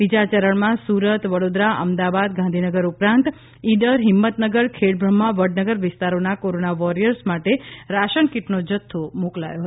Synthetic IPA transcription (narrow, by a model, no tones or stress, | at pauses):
bid͡ʒat͡ʃəɾəɳmãsuɾət̪ʋəɽod̪ɾaʔəmd̪abad̪̚ɡãnd̪ʱinəɡəɾupɾãnt̪ | iɖəɾɦɪmːət̪nəɡəɾkʰeɽbʱɾəmːãʋəɽnəɡəɾʋɪst̪aɾonakoɾonaʋɔɾijəɾsmaʈeɾaʃənkiʈnod͡ʒət̪ʰːomokla̰joɦət̪